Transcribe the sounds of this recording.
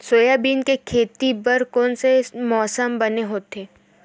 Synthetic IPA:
soːjabiːnkekʰeːt̪ibəɾkɔːnsemɔːsəmbɐneɦoːt̪eː

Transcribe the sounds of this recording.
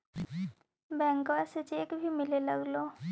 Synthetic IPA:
bɛ̃ːŋkɛset͡ʃeːkbʱimɪlelɐɡloː

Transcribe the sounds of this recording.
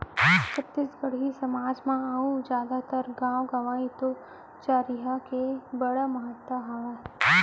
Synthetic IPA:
t͡ʃəpt̪ɪsɡəɽ̤ɦisɐmaːd͡ʒmãaud͡ʒjaːd̪at̪əɾɡãːwɡaʋaːit̪o | t͡ʃaːɾiɦakebɐɽaməɦət̪wəɦaʋa

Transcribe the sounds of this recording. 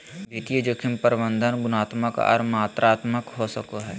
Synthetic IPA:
bit̪iəd͡ʒəkʰɪmpəɾɪbə̃nd̪ʱənɡʊnaːt̪məkɐ̰ɾmaːt̪ɾʔaːt̪məkɦosəkoɦɛː

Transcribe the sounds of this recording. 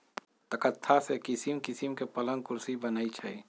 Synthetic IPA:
t̪əkət̪ʰːasekɪsimkɪsimkepələ̃ŋɡkʊɾsibənaːit͡ʃʰɛ̰i

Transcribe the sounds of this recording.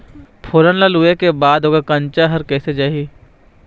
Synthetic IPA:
pʰoːɾənləluekebaːd̪oɡəɾkɐ̃nt͡ʃaɦɐɾkɛːsed͡ʒaːɦiː

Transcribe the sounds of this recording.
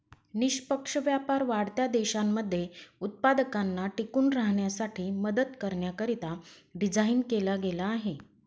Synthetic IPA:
niɕpəkʂəʋjapaɾʋaɽt̪jad̪eɕamːəd̪ʱːjeut̪̚pad̪əkanːaʈikuːnɾaɦɳjasaʈʰiːməd̪əd̪kəɾɳjakəɾit̪aɖid͡zʱainkelaɡelaːɦe

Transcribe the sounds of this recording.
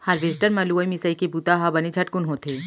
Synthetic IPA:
hɐɾʋeːsʈəɾmɐluɐimisəikebut̪aɦabɐnid͡ʒʰʱɐʈ̚kʊnɦot̪ʰeː

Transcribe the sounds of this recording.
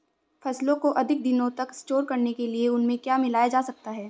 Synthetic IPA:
fɐslõkoʔɐd̪ʱɪk̚d̪ɪnõt̪ɐkɪsʈoːɾkɐɾnekelieʊnmẽkjaːmɪlaːjad͡ʒaːsɐk̚t̪aɦɛː

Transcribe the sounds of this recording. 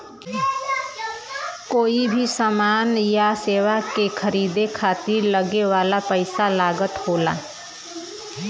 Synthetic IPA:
koːibʱisamaːnjaseːʋakekʰəɾiːd̪ekʰaːt̪iɾləɡewaːlapəɪsalaːɡət̪hoːla̰ː

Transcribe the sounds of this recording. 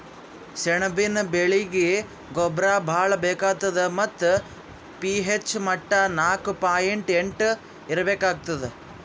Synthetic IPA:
sɛɳɐbinɐbeɭiɡe | ɡɔbɾaːbʱaːɭɐbeːkaːɡ̚t̪ːɐd̪emɐt̪ːu | piɦet͡ʃːmɐʈːɐnaːkupaːjeɳʈeɳʈ | iɾɐbeːkaːɡ̚t̪ɐd̪e

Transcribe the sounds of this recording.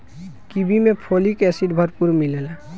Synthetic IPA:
kibʱimẽpʰolikɛsiʈbʱəɾpuɾmilela

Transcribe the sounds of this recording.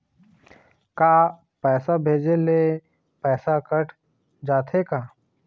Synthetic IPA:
kaː | pɛːsabʱeːd͡ʒele | pɛːsakəʈʰ | d͡ʒaːt̪ʰekaː

